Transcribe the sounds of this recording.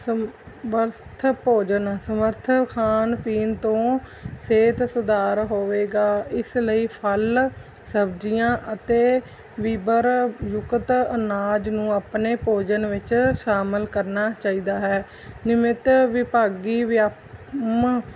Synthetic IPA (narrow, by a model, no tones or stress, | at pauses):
sə | məɾt̪ʰpoːd͡ʒənsəməɾt̪ʰkʰaːnpiːnt̪õː | seːt̪sʊd̪aːɾɦoːʋeːɡaːɪsləiːpʰəl | səbd͡ʒijãːʔət̪eː | ʋiːbəɾjʊkt̪ənaːd͡ʒnũːaːpneːpoːd͡ʒənʋɪt͡ʃʃaːmɪlkəɾnaːt͡ʃaːiːd̪aːɦɛː | nɪmɪt̪ʋɪpaːɡiːʋɪa | m